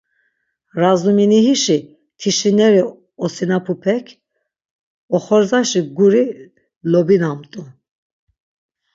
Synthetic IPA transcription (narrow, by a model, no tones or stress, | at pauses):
ɾazuminiɦiʃi | t̪ʰiʃinɛɾi | ɔsinapʰupʰɛkʰ | ɔχɔɾzaʃiɡuɾi | lɔbinamt̪ʼu